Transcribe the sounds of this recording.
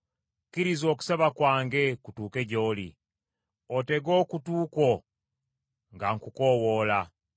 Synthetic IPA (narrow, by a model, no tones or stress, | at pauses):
kiɾizo̞ːku̥seβakwaːŋɡe̞kutuːke̞ɟo̞ːlḭ | ote̞ɡo̞ːkutuːko̞ | ŋɡaŋkuko̞wo̞ːla